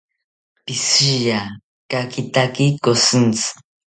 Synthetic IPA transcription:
pisija | kakit̪akikosɨnt͡s

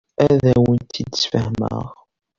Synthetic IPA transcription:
æðæwənt̪ʰid̪sfəhmə̰ʁ

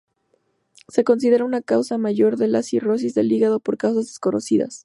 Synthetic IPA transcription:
se̞ko̞ns̬ið̞e̞ɾaunakawsamaʝo̞ɾðe̞lasiro̞s̬izðe̞liɣaðo̞po̞ɾkaws̬azðesko̞no̞̰siða̰s

